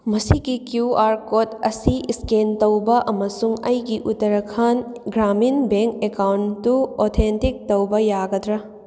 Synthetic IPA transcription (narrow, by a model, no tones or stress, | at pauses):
mɐsiɡikjuaɾkotɐsiiskentɐwbɐʔɐmɐsuŋɐjɡiʔutːɐɾɐkʰanɡɾaminbeŋkekawntːuotʰentik̚tɐwbɐjaɡɐdɾɐ